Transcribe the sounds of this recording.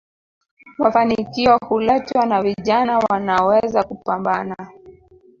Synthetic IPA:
mafanikiɔhulɛtwanaviʄanawanawɛzakupambana

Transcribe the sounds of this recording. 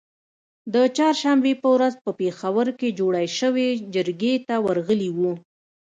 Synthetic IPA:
d̪ət͡ʃɑɾʃambepəwɾazpəpexawəɾked͡ʒoɽajʃəwed͡ʒəɾɡet̪awəɾɣəliwu

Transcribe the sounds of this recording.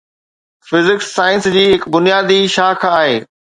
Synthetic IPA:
fɪzɪksaːɪ̃nsd͡ʑiːɦɪkbʊnijaːd̪iʃaːkʰaːɦeː

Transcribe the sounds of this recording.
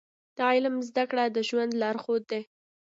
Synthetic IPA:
d̪̥əjlamzd̪akɽad̪əʒwand̪lɑɾxod̪ːe

